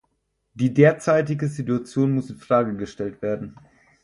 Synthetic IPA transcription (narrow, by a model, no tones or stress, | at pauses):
d̥iːdeːɐt͡saɪtɪɡəzituat͡sjoːnmʊsɪnfʁ̥aːɡəɡəʃtɛltv̥eːɐdn̩